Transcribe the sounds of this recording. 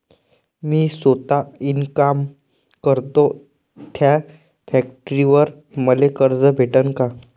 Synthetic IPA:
miːsot̪ainkam | kəɾt̪o | t̪ʰja | fæk̚ʈɾiʋəɾ | məlekəɾd͡zəbʱeʈənka

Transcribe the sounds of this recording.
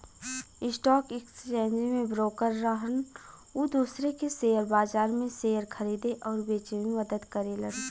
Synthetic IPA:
ɪsʈɔːkɪkst͡ʃɛ̃ːnd͡ʒemẽbɾoːkəɾːəɦən | uːd̪uːsɾekeseːəɾbaːd͡ʒaːɾmẽseːjəɾkʰɐɾiːd̪eʔɔːɾbeːt͡ʃenməd̪əd̪kəɾeləɡ

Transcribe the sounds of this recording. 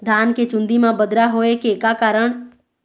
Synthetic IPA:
d̪ʱaːnket͡ʃʊ̃nd̪imãbəd̪ɾaɦoːekekakaːɾəɳ̃

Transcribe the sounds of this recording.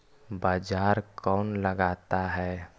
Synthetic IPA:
baːd͡ʒaːɾkɔːnləɡaːt̪aɦɛː

